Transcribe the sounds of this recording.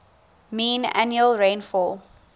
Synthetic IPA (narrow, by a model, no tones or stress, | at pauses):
mĩːna̰njuəlɹẽnfɔl